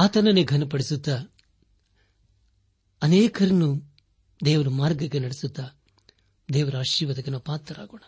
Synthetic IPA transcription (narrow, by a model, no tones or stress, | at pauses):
aːt̪ɐnɐneɡʱɐnɐpɐɽisut̪ːɐ | ɐneːkʰɐɾɐnːu | d̪ɛːʋɐɾumaːɾɡɐkːenɐɽesut̪ːɐ | d̪ɛːʋɐɾɐaːʃiːʋɐd̪ɐkɐnɐpaːt̪ːɐɾa̰ːɡoːɳɐ